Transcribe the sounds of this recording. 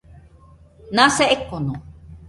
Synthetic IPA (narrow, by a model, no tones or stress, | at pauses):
naseʔekːono